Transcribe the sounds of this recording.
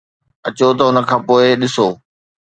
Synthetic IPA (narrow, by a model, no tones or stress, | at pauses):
ɐt͡ɕot̪ɐʊnə̆kʰãːpoːɪɗɪsoː